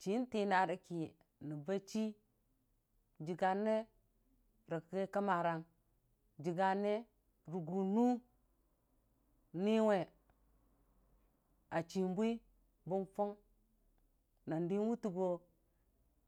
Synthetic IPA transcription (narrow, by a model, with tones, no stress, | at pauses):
t͡ʃi˨˦n˦ti˦na˨ɾi˨ki˨ | ni˨ba˦t͡ʃi˦ | d͡ʒi˨ɡa˨nːe˦ | ɾa˨kɡe˦ka˦ma˨ɾa˨ŋ | d͡ʒi˨ɡa˨nːe˦ | ɾu˨ɡu˨nu˦ | ni˦we˨ | a˨t͡ʃi˨m˦bʷi˦ | bu˦nfo˦ŋ | na˨ndi˦nwu˦tu˨ɡo˦